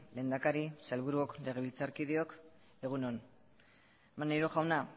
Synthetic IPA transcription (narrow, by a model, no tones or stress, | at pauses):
le̞ːnd̪akaɾisalβuɾuokle̞ɣ̞e̞β̞ilt͡saɾkiðio̞k | e̞ɣ̞unon | manːajɾoʝawna